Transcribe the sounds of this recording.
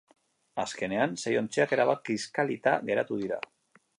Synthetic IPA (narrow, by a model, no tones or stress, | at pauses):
aske̞ne̞ansejo̞nt͡seake̞ɾaβakiskalit̪aɣe̞ɾat̪uð̞iɾa̰